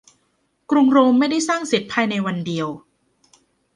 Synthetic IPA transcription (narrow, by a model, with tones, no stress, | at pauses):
kɾu˧ŋɾoː˧mːa˥˩jda˥˩jsaː˥˩ŋsi˨˦t̪̚pʰaː˧jna˧jwa˧ndi˧əw